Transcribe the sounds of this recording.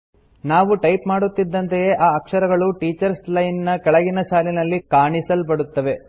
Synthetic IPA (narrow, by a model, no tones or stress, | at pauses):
naːʋuʈɐjpmaːɽut̪ːid̪ːɐnt̪ejeʔaːɐkʂɐɾɐɡɐɭuʈiːt͡ʃɐɾslɐjnnɐkɛɭɐɡinɐʃaːlinɐlːikaːɳisɐlpɐɽut̪ːɐʋe̞